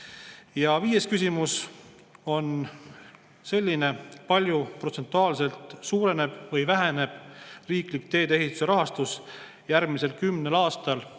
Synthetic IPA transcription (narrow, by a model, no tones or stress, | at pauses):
jɑviːje̞skysʲimus | o̞n | se̞lʲːine̞pɑlʲjupro̞t̪se̞nt̪ːˑuɑːlse̞lt̪ˑsuːɾe̞ne̞b̥vɤjvæɦene̞b̥riːklik̚t̪e̞ːd̪ee̞ɦit̪ːˑu̥se̞ɾɑɦɑst̪us | jæɾmise̞lkymne̞lɑːst̪ɑl